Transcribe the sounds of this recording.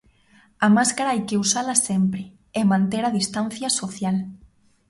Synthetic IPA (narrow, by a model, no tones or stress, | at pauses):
amaskaɾaajkeusalasempɾɪ | emãnt̪eɾaðist̪an̟θjasoθjal